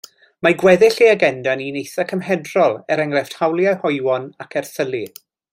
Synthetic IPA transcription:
maɡwɛðɪɬiaɡɛndaninejθakʰəmhɛdrɔlˠɛɾɛŋrɛfthawlˠjahɔɨwɔnakʰɛrθəlˠi

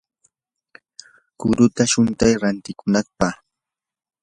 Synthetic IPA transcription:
kʊɾʊt̪aʃʊnt̪ajɾant̪ɪkʊnɑχpɑχ

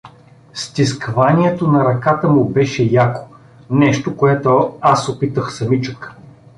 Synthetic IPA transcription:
st̪iskvaniɛt̪onɐɾɐkat̪əmʊbɛʃɛjako̥ | nɛʃt̪okoɛt̪oasopit̪əxsɐmit͡ʃək

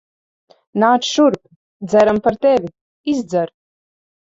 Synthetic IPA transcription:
naːt͡ʃʃuɾp | d̪zɛɾampaɾt̪ɛvʲi | izd̪zɛɾ

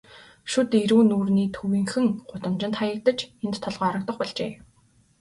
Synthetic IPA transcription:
ʃut̪eɾuːnuːrniːt̪ʰuwiːŋxɘ̆ŋχʊt̪ə̆mt͡ɕɪ̆nt̪χajə̆k̚t̪ə̆t͡ɕent̪ʰːɔɮʁœːɾə̆k̚t̪ə̆χpɔɮt͡ɕḛː

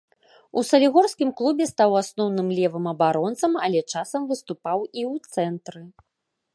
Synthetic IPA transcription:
usɐlʲiɣɔrskʲimklˠubʲɛst̪awasnɔwnɨmlʲɛvɨmɐbaɾɔnt̪sɐmɐlʲɛt͡ʂasɐmvɨst̪upawiwt̪sɛnt̪ɾɨ

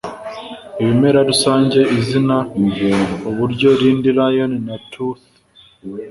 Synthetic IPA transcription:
eβime̞ɾadusaːɲɟe̞ʔizina | oβuɾɟo̞ɾiːndiɾajo̞ninatɾuθ

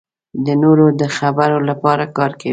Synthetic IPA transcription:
d̪ənoɾod̪əxabaɾolapɑɾakɑɾka

